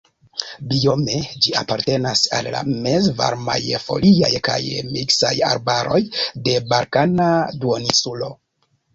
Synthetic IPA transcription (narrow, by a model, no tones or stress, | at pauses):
bio̞me̞d͡ʒiapaɾte̞nasalːa̰mezva̰ɾma̰jfo̞̰liajkajmiksaja̰ɾbaɾo̞jde̞baɾkanaduonisulo̞